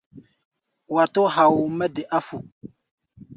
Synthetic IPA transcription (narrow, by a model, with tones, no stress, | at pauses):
wa˨to˦ɦa˨wu˨mə˦dɛ˨ʔa˦fu˨